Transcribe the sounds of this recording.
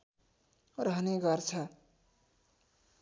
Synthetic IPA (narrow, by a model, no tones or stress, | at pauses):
ɾɦʌneɡʌɾt͡sʰʌ